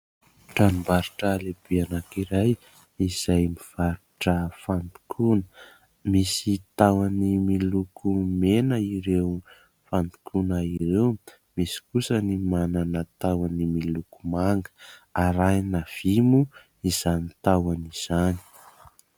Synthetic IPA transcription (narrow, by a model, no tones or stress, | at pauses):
ʈ͡ʂanumbaɾuʈ͡ʂalebeanakiɾaj | iz̥ajmiv̥aɾuʈ͡ʂəfand̪u̥kʰunə̥ | misit̪awanimilukʰumenəiɾew | fand̪u̥kʰunaiɾew | misi̥kusənimananət̪awanimilukumaŋɡə̥aɾajnav̥imu | iz̥anit̪awaniz̥ani̥